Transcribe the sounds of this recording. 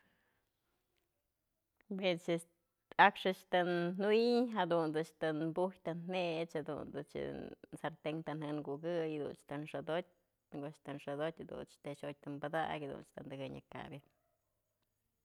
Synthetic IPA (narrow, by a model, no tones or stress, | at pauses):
bet͡ʃɨ | akʂɨt͡ʃt̪ɨnnuwiɲɦad̪und̪ɨt͡ʃt̪ɨnbujt̪ɨnhet͡ʃhad̪ṵnd̪ɨt͡ʃɨ̰saɾt̪eŋt̪ɨnhɨnɡuɡɨjad̪ṵnt͡ʃt̪ɨnʂɨd̪ot̚ʲ | ɡot͡ʃt̪ɨnʂɨd̪otʲhad̪ṵnt͡ʃt̪eʃoj̚t̪ɨmbɨd̪a̰kʲad̪ṵnt͡ʃt̪ɨnd̪ɨɡɨɲa̰ka̰bjɨ